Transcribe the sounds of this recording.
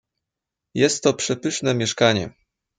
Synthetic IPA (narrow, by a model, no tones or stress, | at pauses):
jɛst̪ːɔpʂɛpɘʂnɛmʲjɛʂkaɲɛ̰